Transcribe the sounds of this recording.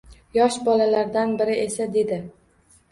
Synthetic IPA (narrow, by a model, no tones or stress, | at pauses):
jɒʃbɒlalaɾd̪anbɪɾɪʔe̞sad̪e̞d̪ɪ